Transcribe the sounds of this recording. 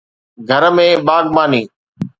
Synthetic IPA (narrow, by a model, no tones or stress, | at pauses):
ɡʱəɾmẽːɓaːɠmaːnĩː